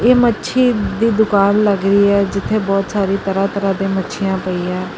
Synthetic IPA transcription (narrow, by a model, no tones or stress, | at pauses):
eːmətːʃʰiːd̪iːd̪ʊkaːnləɡɾəiːɛːd͡ʒɪt̪ʰːeːbɔːt̪saːɾiːt̪əɾãːt̪əɾãːd̪ẽːmətːʃʰijãːpəiːãː